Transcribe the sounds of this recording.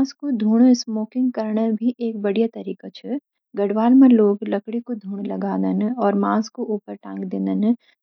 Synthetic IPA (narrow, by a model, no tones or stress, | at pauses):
skod̪ʱuːɽsmoːkɪ̃ŋɡ̚kɐɾɳəbʱiʔeːk̚bɐɽijat̪ɐɾiːkat͡ʃʰɛ | ɡɐɽʋaːlməɾloːɡlɐkɽikod̪ʱuːɽ̃lɐɡaːd̪ənɔːɾmãːskoʔuːpəɾʈãːŋɡd̪eːnd̪ən